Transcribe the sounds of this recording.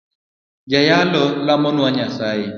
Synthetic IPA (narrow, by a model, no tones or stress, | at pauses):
d͡ʒajalɔlamɔnʊwaɲasaje